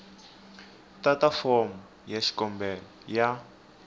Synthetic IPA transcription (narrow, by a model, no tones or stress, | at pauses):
tatafɔmu | jaʃi̥kɔmbɛlɔja